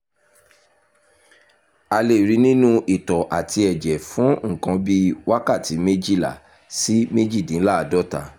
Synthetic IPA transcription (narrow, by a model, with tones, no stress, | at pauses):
a˧le˨ɾi˨˧˦nĩ˦nũ˦ʔi˨tɔ˨ʔa˨tʰi˧ɛ˨d͡ʒɛ˨fũ˨˦ŋ̩˦˨kã˧˦bi˦wa˦ka˦˨ti˨˦me˦d͡ʒi˦˨la̰˨ | si˦me˦d͡ʒi˦˨dĩ˨˦la˦˨dɔ˦ta̰˨